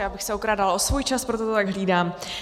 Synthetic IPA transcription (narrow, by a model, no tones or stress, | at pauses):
jaːbɪxsɛokɾaːdalʔo̞svujt͡ʃaspɾot̪ot̪ot̪aɡɦliːdaːm